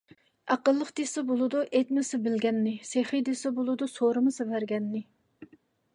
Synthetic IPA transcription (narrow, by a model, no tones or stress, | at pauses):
ɑqəlˠːəqd̪esɨbolˠɨd̪uʔet̪mɨsɨbɪlɡʲɛnːɪseχid̪esɪbolˠɨd̪usoɾɨmɨsɨvæɾɡʲɛnːɪ